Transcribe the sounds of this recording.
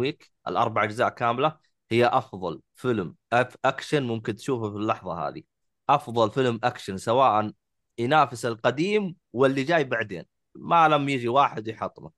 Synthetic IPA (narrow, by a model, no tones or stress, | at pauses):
wiːk | ʔɪ̰lʔɑ̰ɾˤbaʕad͡ʒʊzaːʔkaːmla | hɪjːaʔɑfðˤɑl | fɪlmʔaʔakʃanmʊmkɪnt̪ʃuːfafilːɑħðˤɑha̰ːði | ʔɑfðˤɑlfɪlmʔakʃansawaːʔan | jnaːfɪsalqad̪iːm | wɪlːid͡ʒaːjbaʕd̪ḛːn | malamjɪd͡ʒiwaːħɪd̪wjħɑt̪ˤːma